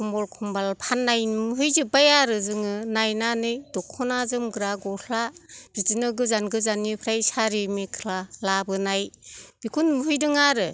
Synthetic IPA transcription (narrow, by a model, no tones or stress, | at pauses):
kʰɔmbɔlkʰɔmbalpʰanːajmɯɦɯjzɯbajaɾɯzɯŋɯnajnanɯjdɔkʰːɔnazɯmɡɯɾaɡɔhʰlab̥izinɯɡɯzanɡɯzanːipʰɾajsaɾimikʰlalabɯnajb̥ikʰunmɯɦɯjdɯŋaɾɯ